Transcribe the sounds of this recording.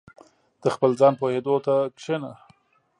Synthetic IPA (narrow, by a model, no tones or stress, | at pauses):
d̪̥əxpəlzɑnpohed̪ot̪akʂena